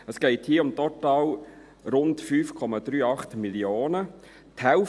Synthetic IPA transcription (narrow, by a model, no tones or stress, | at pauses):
əsɡ̥ɛɪthiːəʊmtɔtɑːl | ɾʊntfyːfkʰɔmɑd̥̪ɾyːɑχtmiljoːnə | thɛʊ